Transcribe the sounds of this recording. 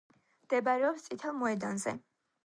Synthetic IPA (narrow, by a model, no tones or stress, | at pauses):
md̪̥ɛbaɾɛɔpst̪sʼit̪ʰalˠmɔɛd̪anzɛ̰